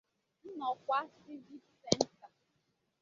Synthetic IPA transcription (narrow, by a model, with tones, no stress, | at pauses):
n̩˦nɔ˨kʷa˦si˦vi˦ksɛ˦n̩˦ta˨